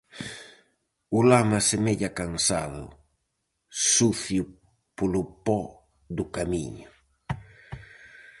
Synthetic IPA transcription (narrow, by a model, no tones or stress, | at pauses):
ʊlamasemeʎakansa̰ðʊ̰ | suθjʊ | polʊpɔ | d̪ʊkamiɲʊ